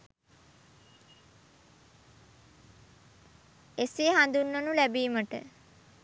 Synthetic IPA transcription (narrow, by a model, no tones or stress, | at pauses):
eseɦand̪unːənulæbiːməʈə̰